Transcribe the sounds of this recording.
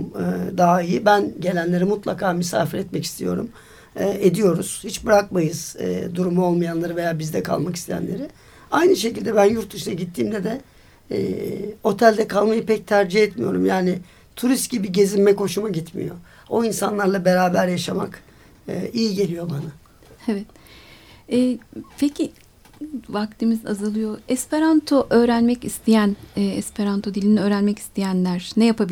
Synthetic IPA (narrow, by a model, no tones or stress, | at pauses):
ɯd̪aɦaijibænɟe̞lʲænlʲe̞ɾimut̪lˠakʰaːmysa̰ːfiɾɛt̪mɛci̥st̪ʰḭjo̞̰ɾṵmː | ed̪ijo̞ɾuz̥hit͡ʃbɯɾak̚majɯz̥̰d̪uɾumuo̞lˠmajanlˠaɾɯve̞jaːbizd̪ɛkʰa̰lˠmaki̥st̪ʰejæ̰nlʲeɾɪ | ajnɯʃe̞cilʲd̪ɛbænjuɾt̪̚d̪uʃɯnaɟit̪ʰːiːmd̪ɛd̪ɛ | o̞t̪ʰælʲd̪ɛkʰalˠmajɯpʰɛc̚t̪ʰæɾd͡ʒiɦɛt̪mijo̞ɾumjaːnɪ | t̪ʰuɾist̪̚ɟibiɟe̞zimːɛkʰo̞ʃumaɟit̪mḭjo̞̰ | oinsanlˠaɾlˠabeɾaːbæɾjaʃama̰k | ɯijiɟe̞lʲijo̞bana | evɛt̪̚ | ɛːpʰecʰi | vak̚t̪ʰimiza̰zɯlˠɯjo̞ɛspeɾant̪ʰoʔøːɾænmɛcist̪ʰijænːɛspʰeɾant̪ʰod̪ilʲiniø̞ːɾænmɛci̥st̪ʰijænlʲæɾ̥nɛjapʰabi